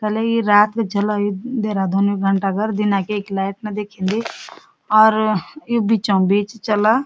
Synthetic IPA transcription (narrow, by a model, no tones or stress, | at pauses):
kɛːlejiɾaːt̪kat͡ʃəlajid̪eːɾad̪oːniɡʱəɳʈaɡəɾd̪ɪnakeeklaːɪʈ̚nad̪eːkʰẽːnd̪i | ɔːɾjobʱit͡ʃãbiːt͡ʃt͡ʃəla